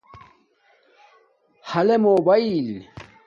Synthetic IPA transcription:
hɐlemoːbɐil

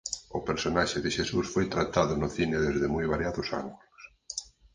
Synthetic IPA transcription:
ʊpeɾsonaʃɪðɪʃesusfojt̪ɾat̪aðʊnʊθinɪðezðɪmojβaɾjaðʊsa̰ŋɡulʊs

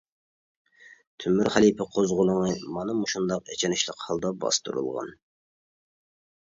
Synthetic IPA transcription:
t̪ʰymːyɾχælˠipʰɪqʰozʁʊlˠəŋɨmɑnɨmuʃund̪ɑqḛt͡ʃʰɛnɪʃlˠəqhɑlˠd̪ɑbɑ̰st̪ṵɾṵlˠʁɑ̰n

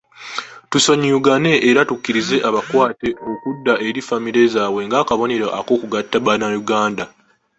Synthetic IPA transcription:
tuso̞ɲiuɡane̞ʔːɾatukːiɾize̞ʔaβakwaːte̞ʔo̞kudːaʔe̞ɾifamiɾe̞zaːwe̞ŋɡakaβo̞ne̞ɾaʔako̞ːkuɡatːaβanajuɡaːnda

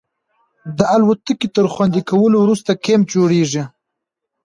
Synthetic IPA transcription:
d̪əalwat̪əket̪əɾxwand̪ikawəlowɾust̪akemd͡ʒoɽeʐi

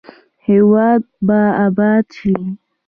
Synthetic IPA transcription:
hewad̪̚baabat̪ʰi

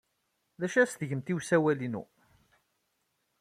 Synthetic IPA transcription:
ðæʃæst̪əʝəmt̪iwsæwælinṵ

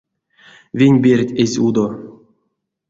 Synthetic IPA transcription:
vʲinʲbʲerʲtʲezʲud̪o

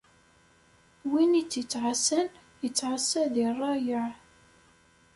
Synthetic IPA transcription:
winit͡sːət͡sːʕasæn | jət͡sːʕasːæðirˤːɑjəʕ

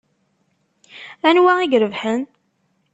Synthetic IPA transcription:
ænwæiɡɾəvħən

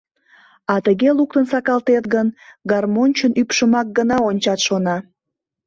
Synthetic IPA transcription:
ɑt̪əɣeluk̚t̪ənsɑkɑlt̪et̪ɡənɡɑrmonʲt͡ɕənypʃəmɑk̚ɡənɑonʲt͡ɕɑt̪ʃonɑ

